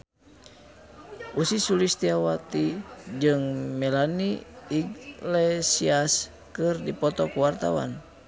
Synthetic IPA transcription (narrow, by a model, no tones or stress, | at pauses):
ʔusisulist̪iawat̪id͡ʒɨŋmɛlaniːɡlɛsias | kɨrdipɔt̪ɔkuwart̪a̰wa̰n